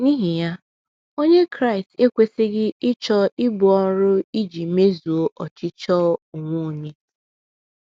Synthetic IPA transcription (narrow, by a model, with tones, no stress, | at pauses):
ni˦ɦi˨ja˦ | o˦ɲe˦kɾa˦i˨ste˦kʷe˦sɪ˦ɡɪ˦ɪ˦t͡ʃɔ˦ɪ˦bʊ˨ɔ˦ɾʊ˦i˦d͡ʒi˨me˦zu˨o˦ʔɔ˨t͡ʃɪ˦t͡ʃɔ˦u˨ŋʷo˦˨ɲe˦